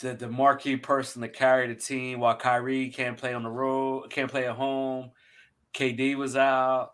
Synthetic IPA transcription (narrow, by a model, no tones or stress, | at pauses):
ðɨðɨmɑɹkʰipʰɜ˞sn̩ðɨt̚kʰæɹiɾɨtʰĩmwaɪlˠkʰaɪɹikʰæ̃npʰl̥eɪə̃nðəɹokʰæ̃npʰl̥eɪɨɦõʊ̃m | kʰeɪdiwʌzaʊt̚